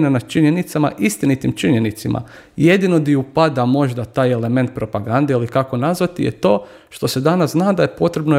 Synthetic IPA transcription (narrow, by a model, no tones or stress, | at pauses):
nanad̪t͡ʃiɲe̞nit̪sama̰ʔist̪init̪imt͡ʃiɲe̞nit̪simʔa̰je̞d̪ino̞d̪iupad̪amo̞ʒd̪at̪aːjele̞me̞nt̪̚pɾo̞paɡand̪eilikako̞nazʋat̪ḭjḛt̪o̞ː | ʃt̪o̞se̞d̪anasznaːd̪ajepo̞t̪ɾe̞bno